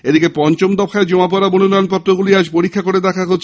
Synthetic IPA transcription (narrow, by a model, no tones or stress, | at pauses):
ed̪ikepɔnt͡ɕomd̪ɔkʰaed͡ʑomap̬ɔɾamonunɔjonpɔt̪ːɾoɡuliaʃpoɾikʰːakoɾed̪ɛkʰaɦotːʰ